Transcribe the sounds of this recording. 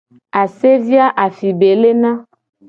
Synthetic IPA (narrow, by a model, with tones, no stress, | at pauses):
a˨se˦vi˦a˦ʔa˨fi˨be˨le˦nã˦